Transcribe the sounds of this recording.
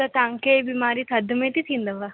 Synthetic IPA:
ɐt̪aŋkeːbimaːɾit̪ʰɐd̪umet̪it̪ʰind̪ɐʋa

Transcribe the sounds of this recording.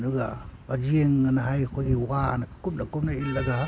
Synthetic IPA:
nuɡabad͡ʒieŋːanaɦajkʰoɡiwanakup̚nakup̚nailaɡa

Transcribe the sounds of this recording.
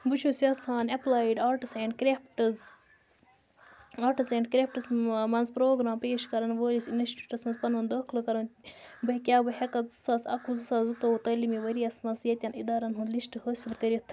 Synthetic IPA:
but͡ʃʰusʲɐːst̪ʰaːnɐplaːjiɖaːɾʈiseɳɖkɾepʈɐz | aːɾʈisẽːɳɖkɾep̚ʈɐzmɐnzpɾoːɡɾaːmpeːʃkɐɾɐnʋəːlisinʋesʈiʈɐsmɐnzpɐnɐːnd̪ɐːkʰlɨkɐɾɐnbɐɦkʲjaːbɐɦʲɐkɐzɨsaːsɐ̰kʰuzɨsaːzut̪out̪ɐːlimiʋɐɾiɐsmɐnzjɐt̪ʲɐnid̪aːɾɐnɦund̪lisʈɨhəːsilkɐɾit̪ʰ

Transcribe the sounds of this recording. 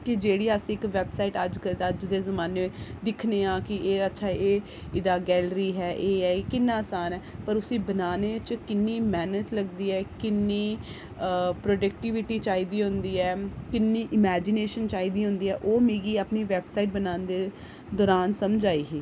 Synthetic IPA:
kɪd͡ʒeːɽiːəsĩɪkʋɛːbsaːiʈəd͡ʒkəəd͡ʒd̪eːzəmaːned̪ɪkʰneːãːkɪeːətːʃʰaːʔeː | ɪd̪aːɡɛːlɾiːɦɛːʔeːɛːkɪnːãːsaːnɛːpəɾʊsĩːbənaːneːt͡ʃkɪnːiːmɛːnət̪ləɡd̪iːɛːkɪnːiː | pɾoːɖək̚ʈɪːʋɪʈiːt͡ʃaːiːd̪iːɦʊ̃nd̪iːɛːkɪnːiːʔɪmɛːd͡ʒɪneːʃənt͡ʃaːiːd̪iːɦʊ̃nd̪iːɦɛːʔoːmiːɡiːapniːʋɛːbsaːiʈ̚bənaːnd̪eː | d̪ɔːɾaːnsəmd͡ʒaːiːɦiː

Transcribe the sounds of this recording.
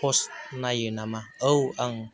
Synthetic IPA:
ost̪̚najənamaəwaŋ

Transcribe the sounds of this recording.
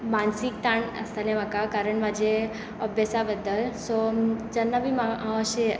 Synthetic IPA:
mansik̚t̪aɳə̰st̪alẽmakakaɾəɳmad͡ʒe | əbjəsabəd̪ːəlsod͡ʒənːabʱimaaaɕe

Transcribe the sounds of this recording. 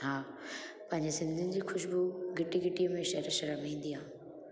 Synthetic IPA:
ɦaː | pɐ̃ɦɪ̃ɲd͡ʑesɪ̃nd̪ʱʊnɪ̆d͡ʑiːxʰʊʃbʊɡɪʈiɡɪʈijəmẽʃɐɾʃɐɾəmĩːn̆d̪iɦãː

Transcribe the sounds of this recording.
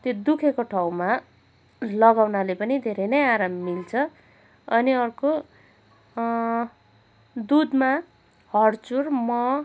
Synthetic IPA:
t̪jod̪ukʰekoʈʰawma | lʌɡawnalepʌnid̪ʱeɾʌjnʌjaɾamːilt͡sʰʌ | ʌniʌrko | d̪ud̪ma | hʌrt͡surmʌ

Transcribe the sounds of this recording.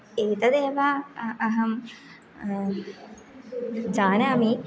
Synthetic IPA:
eːt̪əd̪eːʋaːɦɐm | d͡ʒaːnaːmiː

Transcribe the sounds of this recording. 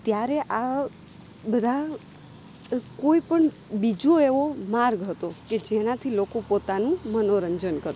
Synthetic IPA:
t̪jaɾeʔa | bəd̪ʱa | koipəɳ | bid͡ʒoeʋomaɾɡɦət̪oked͡ʒenat̪ʰilokopot̪anũmənoɾəɲd͡ʒənkəɾ

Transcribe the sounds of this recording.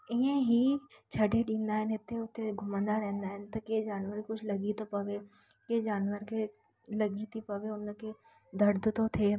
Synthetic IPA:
ɪɦẽɦit͡ʃʰɐɖeɖĩːnd̪aɦɛnet̪ʰeʊt̪ʰːeɡʱʊmə̃nd̪aɾɛ̃ːnd̪aɦɛnt̪ɐked͡ʒaːnʋəɾkʊt͡ʃʰlɐɡit̪opɐʋe | ked͡ʒaːnʋəɾke | lɐɡit̪ʰipɐʋeʊnke | d̪ɐɾd̪ʱt̪ot̪ʰeː

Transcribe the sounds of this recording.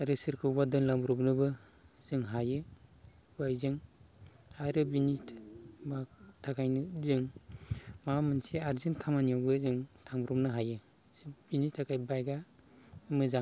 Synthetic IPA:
aɾɯsɯɾkʰɯbadɯnlaŋbɾɔpnɯbɯ | z̥ɯŋɦajɯ | bajzɯŋ | haɾɯbinitʰbatʰakʰajnɯzɯŋ | mamɯnsiaɾzinkʰamanijawɡɯzɯŋtʰaŋbɾɔpnɯɦajɯ | b̥initʰakʰajbajɡa | mɯzaŋ

